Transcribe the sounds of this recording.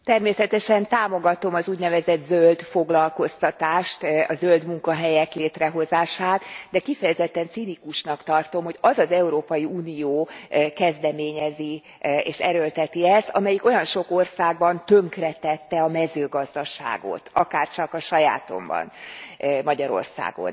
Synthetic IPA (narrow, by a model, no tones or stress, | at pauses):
t̪ɛrmeːsɛt̪ɛʃɛnt̪aːmo̞ɡɒt̪o̞mɒzuːɟnɛvɛzɛd̪zøld̪fo̞ɡlɒlko̞st̪ɒt̪aːʃt̪ɒzøld̪muŋkɒɦɛjɛkleːt̪rɛɦo̞zaːʃaːt̪d̪ɛkifɛjɛzɛt̪ːɛnt̪sinikuʃnɒkt̪ɒrt̪o̞mho̞ɟɒzɒzɛuɾoːpɒjiuːnijoːkɛzd̪ɛmeːɲɛzi | eːʃɛɾølt̪ɛt̪iɛz̥t̪ɒmɛjiko̞jɒnʃo̞korsaːɡ̚bɒnt̪øŋkrɛt̪ɛt̪ːɛɒmɛzøːɡɒzd̪ɒʃa̰ːɡo̞̰t̪ɒkaːrt͡ʃɒkɒʃɒja̰ːt̪o̞̰mbɒ̰n | mɒɟɒɾo̞̰rsa̰ːɡo̞̰n